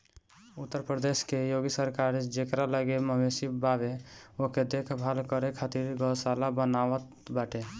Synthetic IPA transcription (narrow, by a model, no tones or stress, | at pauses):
ut̪ːəɾpɾəd̪eskejoɡisəɾkaɾd͡ʒekɾaləɡeməmesibabeoked̪ekʰbʱalkəɾekʰat̪iɾɡəlsalabənawət̪ | baʈe